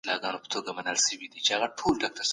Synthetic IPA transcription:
lɑɡɑnopə̥t̪oɡamanəlʃəwid̪it͡ʃeaɣaʈʰolɖɑk̚ʈaɾ

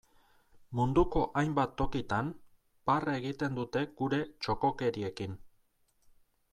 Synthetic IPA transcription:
mund̪uko̞ʔajmbat̪ːo̞kit̪an | pare̞ɣit̪e̞nd̪ut̪e̞ɡ̥uɾe̞t͡ʃo̞ko̞ke̞ɾie̞kin

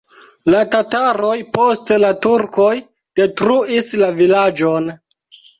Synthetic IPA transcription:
latataɾojpo̞stlatuɾko̞j | d̥e̞tɾuislavilad͡ʒo̞n

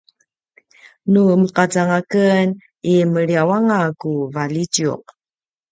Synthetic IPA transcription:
numəqat͡saŋakən | iməɭiawaŋakuvalid͡ʒiṵq̚

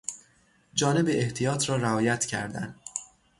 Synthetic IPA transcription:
d͡ʒɒːne̞beʔeht̪ʰijɒːt̪ʰɾɒːɾæɒːjæt̪ʰcʰæ̰ɾd̪æ̰nd̪

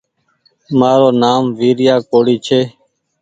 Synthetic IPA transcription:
maːɾoːnaːmʋiːɾɪjaːkoːɽiːt͡ʃʰeː

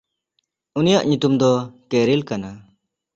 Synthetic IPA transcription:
unijaʔɲut̪umd̪ɔkɛɾilkana

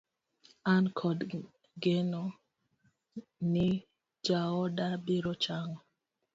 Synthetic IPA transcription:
ankʰɔd | ɡenɔ | ni | d͡ʒaɔdabiɾɔt͡ʃaŋɔ

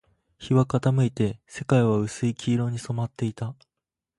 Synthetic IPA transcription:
çiβakat̪amɯ̟it̪e̞se̞kaiβaɯ̟sɨikʲʰiːɾo̞ːɲ̟iso̞mat̪ːe̞it̪a

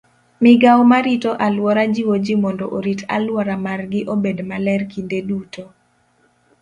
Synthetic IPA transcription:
mɪɡawmaɾitɔʔalwɔɾad͡ʒiwod͡ʒimɔndɔʔoɾita̰lwɔɾamarɡɪʔobedmalɛrkindeduto

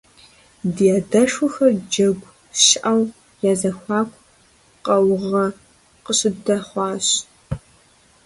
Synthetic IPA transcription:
dijaːdɐʂʊxɐrd͡ʒɐɡʷ | ʃʔɐw | jaːzɐxʷɑːkʷʰʼ | qɐwʁɐ | qəɕʼɪdɐχʷɑːɕ

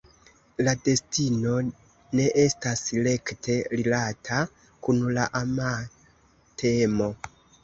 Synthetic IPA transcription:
lade̞stino̞ | ne̞ʔe̞stasle̞ktʰe̞ɾilatʰa | kunlaʔama | tʰe̞mo̞

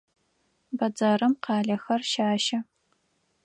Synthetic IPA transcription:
bɐd͡zɐrɨmqɑːɮɐxɐrʃaːʃɐ

